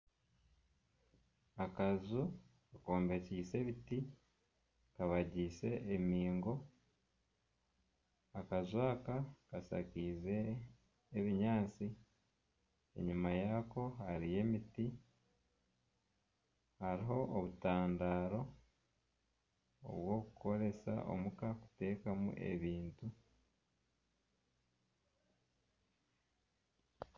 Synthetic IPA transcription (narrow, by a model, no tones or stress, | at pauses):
akazukako̞ːmbe̞ciːse̞βiti | kaβaɟiːse̞ʔemiːŋɡo̞ | akazuaːkakasa̰kiːze̞ː | βiɲaːt͡si | e̞̰ɲumajako̞haɾije̞ːmiti | haɾiɦo̞ʔoβutaːndaːɾo̞ | o̰βwo̞ːkuko̞ɾe̞sa̰ʔo̞̰mukaku̥te̞ːkamṵʔe̞̰βiːntu